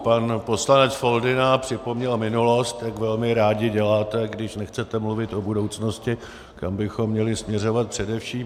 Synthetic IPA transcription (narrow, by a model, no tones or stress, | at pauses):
panpo̞slanɛt͡sfo̞ldɪnapr̝̥ɪpo̞mɲɛlmɪnulo̞st̪jakvɛlmɪɾaːɟɪɟɛlaːt̪ɛɡdɪʃnɛxt͡sɛt̪ɛmluvɪt̪ʔo̞budowt͡sno̞scɪ | kambɪxo̞mːɲɛlɪsmɲɛro̞vat̪̚pr̝̥ɛdɛfʃiːm